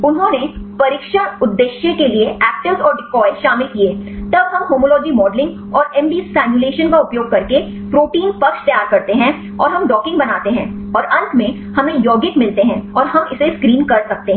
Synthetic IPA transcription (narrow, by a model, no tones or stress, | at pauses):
ʊnɦõnepɐɾɪkʃəɽʊd̪ːeʃjẽkelieʔɛːk̚ʈɪʋzɔːɾɖɪkɔːɪʃaːmɪlkieːt̪ɐbɦɐmɦoːmolɔːd͡ʒimɔːɖlɪ̃ŋɡ | ɔːɾɛ̃mbiːsːɛːnjʊleːʃənkaʊpjoːɡ̚kɐɾke | pɾoːʈiːnpɐkʃt̪ɐjaːɾkɐɾt̪eɦɛ̃ | ɔ̰ːɾɦɐmɖɔːkɪ̃ŋɡbɐnaːt̪eɦɛ̃ː | ɔːɾɐ̃nt̪mẽ | hɐmẽjɔːɡɪʈmɪlt̪eɦɛ̃ɔːɾɦɐmɪseskɾiːnkɐɾsɐk̚t̪eɦ